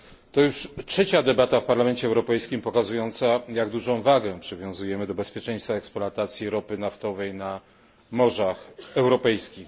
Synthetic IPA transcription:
t̪ɔjuʂtʂɛt͡ɕad̪ɛbat̪afpaɾlamɛnt͡ɕɛɛwɾɔpɛjskʲimpɔkazujɔnt̪sajaɡd̪uʐɔ̃w̃vaɡɛpʂɘvʲjɔ̃w̃zujɛmɘd̪ɔbɛspʲjɛt͡ʂɛ̃j̃st̪faɛksplɔat̪at̪sʲjiɾɔpɘnaft̪ɔvɛjna | mɔʐaxɛwɾɔpɛjskʲix

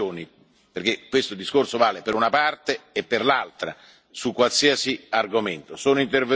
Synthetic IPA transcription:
oːni | perkekːwest̪od̪iskorsovaːlepeɾunapart̪eːpːerlalt̪ɾa̰ | sukːwalsiasiarɡoment̪osoːnoint̪erve

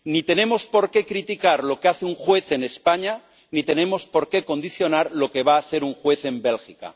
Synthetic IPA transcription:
nit̪e̞ne̞mo̞spo̞ɾke̞kɾit̪ikaɾlo̞keaθeuŋxwe̞θe̞ne̞spaɲa | nit̪e̞nẽ̞mo̞spo̞ɾke̞ko̞nd̪iθjo̞naɾlo̞ke̞β̞aːθe̞ɾuŋxwe̞θe̞mbe̞lxika̰

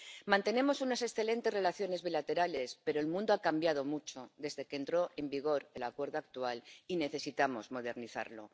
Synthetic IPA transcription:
mãnt̪e̞ne̞mo̞sunase̞sθe̞lẽ̞nt̪e̞sre̞laθjo̞ne̞zβilat̪e̞ɾale̞spe̞ɾo̞elmũnd̪o̞akambjað̞o̞mut͡ʃo̞d̪e̞zðe̞kent̪ɾo̞ʔe̞mbiɣ̞o̞ɾe̞lakwe̞ɾð̞oak̚t̪ualine̞θe̞sit̪amo̞zmo̞ð̞e̞ɾniθa̰ɾlo̞̰

